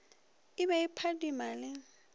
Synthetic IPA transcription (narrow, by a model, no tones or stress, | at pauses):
ɪbaɪpʰadimalɪ